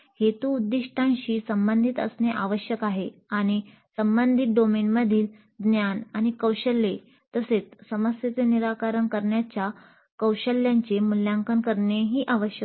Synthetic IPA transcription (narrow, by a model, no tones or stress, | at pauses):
het̪uːd̪ːiʂʈʰãnɕiːsəmbənd̪ʱit̪ə̰sneʔaʋəɕjəkaɦeaɽ̃i | səmbənd̪ʱit̪̚ɖomenməd̪ʱiːl | d̪njanaɽ̃ikəwɕəlːe | t̪əset͡ssəməsjet͡seniɾakaɾənkəɾɳjat͡ɕja | kəwɕəlːjãɲt͡ɕemuljãŋkənkəɾɳeɦiːʔaʋəɕjə